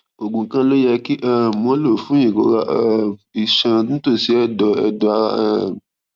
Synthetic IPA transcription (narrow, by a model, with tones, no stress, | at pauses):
o˨ɡũ˨˦kã˦lo˦jɛ˧ki˦ʔa˦mɔ̃˦lo˦˨fũ˨˦ĩ˨ɡo̰˨˦ɾa˦ʔa˦i˨ʃã˧nũ˦to˦˨si˨˦ɛ˦˨dɔ˨ɛ̰˧dɔ˧a˧ɾa˦˨